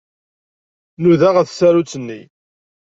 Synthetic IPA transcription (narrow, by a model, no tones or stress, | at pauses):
nuðaʁæθsæɾut͡sːənːi